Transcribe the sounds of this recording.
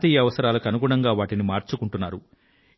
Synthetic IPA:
t̪iːjɐɐʋɐsɐɾaːlɐkɐnuɡuːɳɐŋɡaːʋaːʈinimaːɾt͡ʃukuɳʈunːaːɾu

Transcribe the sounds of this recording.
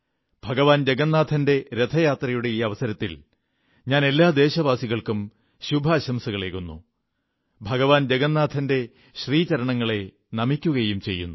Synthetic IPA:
b̥ʱɐɡɐʋaːnd͡ʑeɡɐnːaːd̪ʰʱɐnde̞ɾe̞t̪ʰɐjaːt̪rɐjuɽe̞iːɐʋɐsɐɾɐt̪ːḭl | ɲaːne̞lːaːd̪e̞ːɕɐʋaːsiɣɐɭkum | ɕubʱɐːɕɐmsɐɣɐɭeːkːunːṵ | bʱɐɡɐʋaːnd͡ʑeɡɐnːaːd̪ʰʱɐnde̞ | ɕriːt͡ɕɐɾɐɳɐŋːɐɭe̞ | nɐmikʲːuɣɐjumt͡ɕe̞jːṵnːu

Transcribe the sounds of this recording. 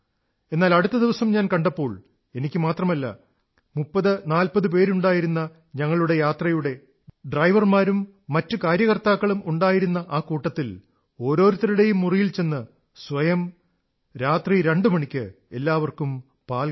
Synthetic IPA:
e̞nːaːlɐɽut̪ːɐd̪iʋɐsɐmɲaːnkɐɳɖɐpːo̞ːɭ | e̞nikʲːɨmaːt̪rɐmɐlːɐ̰ | mupːɐðɨnaːlpɐðɨp̬e̞ːɾuɳɖaːjiɾunːɐ | ɲɐŋːɐɭuɽe̞jaːt̪rɐjuɽe̞ | ɖrɐjʋɐrmaːɾumː | ɐtːɨkaːɾjɐɣɐrt̪aːkːɐɭumuɳɖaːjiɾunːɐʔaːkuːʈːɐt̪ːil | o̞ːɾo̞ːɾut̪ːɐɾuɽe̞jumːurijilt͡ɕe̞nːɨ | sʋɐjɐm | ɾaːt̪riɾeɳɖɨmɐɳikʲːɨ | e̞lːaːʋɐrkum | paːl

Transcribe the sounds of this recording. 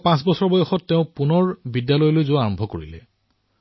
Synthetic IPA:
pãsbɔsɔɹbɔjɔxɔtːeʊ̃punɔɹbidjalɔjlojzoaɹɔmbʱɔkoɹilɛ

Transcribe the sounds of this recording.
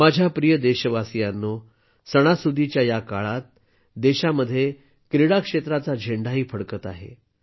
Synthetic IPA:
mad͡ʑʱjapɾijəd̪eɕəʋasijanːo | səɽ̃asud̪it͡ɕjajakaɭat̪̚ | d̪eɕaməd̪ʱːje | kɾiɽakʂet̪ɾat͡sad͡ʑʱeɳɖʱaɦiːpʰəɽkət̪aɦḛ

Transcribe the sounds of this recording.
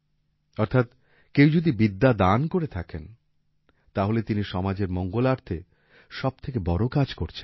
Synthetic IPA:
ɔɾt̪ʰat̪ | kewd͡ʑod̪ibid̪ːad̪ankoɾet̪ʰaken | t̪aɦolet̪iniʃɔmad͡ʑeɾmɔŋɡolaɾt̪ʰe | ʃɔb̥̚t̪ʰekebɔɾokad͡ʑkoɾt͡ɕʰen

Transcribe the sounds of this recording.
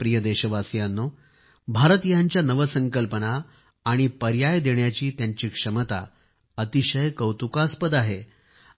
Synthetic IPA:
pɾijəd̪eɕəʋasjanːo | bʱaɾət̪ijaɲt͡ɕjanəʋəsəŋkəlpənaː | ɽ̃ipəɾjajd̪eɳjat͡ɕiːt̪jaɲt͡ɕiːkʂəmət̪a̰ | ət̪iɕəjkəwt̪ukaspəd̪aɦe

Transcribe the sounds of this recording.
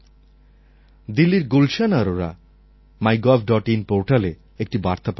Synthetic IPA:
d̪ilːiɾɡulʃanaɾoɾa̰ | majɡɔbɖɔʈinpoɾʈale | ek̚ʈibaɾt̪ap

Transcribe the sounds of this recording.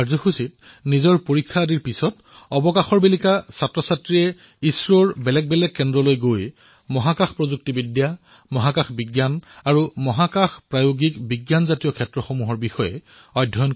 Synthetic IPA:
azɔxusit | nizɔɹpoɹikʰːadiɹpisɔt | ɔbɔkaxɔɹbelikasatɹɔsatɹijɛ | isɹɔɹbɛlɛk̚bɛlɛk̚kːɛndɹɔlojɡoj | mɔɦakaxpɹɔzuk̚tibidja | mɔɦakaxbiɡjanaɹumɔɦakaxpɹajoɡikbiɡjanzatijɔkʰɛtɹɔxomuɦɔɹbixɔjɛ̰ | ɔjdʱːɔjn

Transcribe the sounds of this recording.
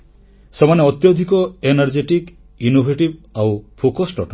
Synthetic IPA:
semaneɔt̪jɔd̪ʱikɔenaɾd͡ʒeʈik | inobʱeʈibawpʰokɔsʈɔ̰ʈɔ

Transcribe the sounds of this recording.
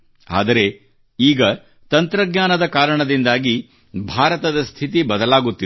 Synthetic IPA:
a̰ːd̪ɐɾe̞ | iːɡɐ | t̪ɐnt̪ɾɐɡɲaːnɐd̪ɐkaːɾɐɳɐd̪ind̪aːɡi | bʱaːɾɐt̪ɐd̪ɐst̪ʰit̪̬ibɐd̪ɐlaːɡut̪ːi

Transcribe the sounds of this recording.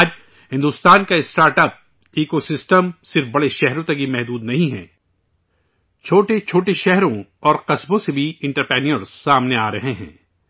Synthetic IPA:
aːd͡ʒ | ɦɪ̃nd̪ust̪aːnkaɪsʈaːɾʈəp̚ | iːkosɪsʈəmsɪɾfbɐɽeʃɛɦɾõt̪ɐɡimɛɦd̪uːd̪nɐɦĩɦɛ̰̃ː | t͡ʃʰoːʈet͡ʃʰoːʈeʃɛɦɾõɔːɾqɐsbõsebʱiɪ̃ɳʈəɾpɾɛːniəɾzsaːmneaːɾɐɦeɦɛ̰̃ː

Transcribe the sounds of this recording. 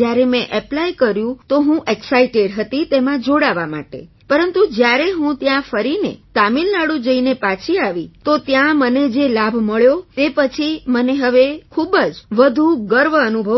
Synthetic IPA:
jaɾemɛ̃ʔɛplajkəɾjũt̪oɦũʔeksaiʈeɽɦət̪it̪emãd͡ʒoɽaʋama̰ʈḛ | pəɾənt̪ud͡ʒjaɾeɦũt̪jãfəɾinḛt̪amilnaɽũd͡ʒəinepat͡ʃʰiaʋit̪ot̪jãməned͡ʒelabʱməɭjot̪epət͡ʃʰiməneɦəʋekʰubəd͡ʒʋəd̪ʱuɡəɾʋəənubʱə

